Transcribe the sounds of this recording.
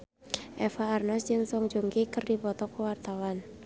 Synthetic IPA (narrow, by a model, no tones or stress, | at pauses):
ʔɛfaːrnasd͡ʒɨŋsɔŋd͡ʒoŋɡikɨrdibɔt̪ɔkəwart̪awan